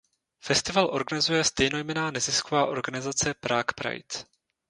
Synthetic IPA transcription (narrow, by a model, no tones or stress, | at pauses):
fɛst̪ɪvalʔo̞ɾɡanɪzujɛst̪ɛjno̞jmɛnaːnɛzɪskovaːʔo̞ɾɡanɪzat͡sɛpɾaːkpɾa̰jt